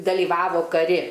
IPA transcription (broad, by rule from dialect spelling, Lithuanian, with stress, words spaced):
dɐlʲiːˈʋɑːʋoː kɐˈrʲɪ